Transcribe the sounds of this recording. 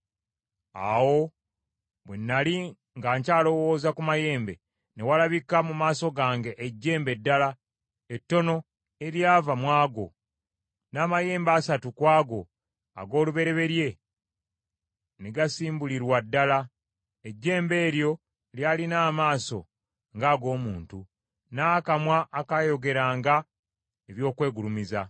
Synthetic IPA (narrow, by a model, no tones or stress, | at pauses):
a̰wo̞ | βwenːali | ŋɡaːɲcaːlo̞wo̞ːzakumaje̞ːmbe̞̰ | ne̞walaβikamumaːso̞ɡaːŋɡe̞ʔeɟːe̞ːmbe̞dːala | etːo̞no̞ | e̞ɾjaːvamwaːɡo̞̰ | naːmaje̞ːmbaːsatukwaːɡo̞̰ | a̰ɡo̞ːluβe̞ɾe̞βe̞ɾje̞ | neɡasiːmbuliɾwadːala | eɟːe̞ːmbe̞ːɾjo̞ | ljaːlinaːmaːso̞̰ | ŋɡaːɡo̞ːmuːntu | nakamwaʔːkajo̞ɡe̞ɾaːŋɡa | eβjo̞ːkwe̞ːɡulumiza̰